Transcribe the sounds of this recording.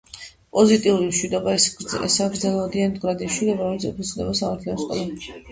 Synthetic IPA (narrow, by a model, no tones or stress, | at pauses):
pʼɔzit̪ʼiuɾimʃwid̪ɔbaɛ̰saɡɾdzɛlˠad̪iand̪ɡɾad̪imʃwid̪ɔbaɾɔmɛlisɛpʰɔsʰd̪ɛbasamaɾt̪ʰiɔnskʼɔ̰lˠa